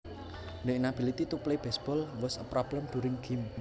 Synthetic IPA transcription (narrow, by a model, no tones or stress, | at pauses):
ndeʔnab̥ilit̪it̪upleb̥ɛsb̥ɔlwəsəpɾʔɔb̥ləmd̥̪uɾɪŋɡ̥im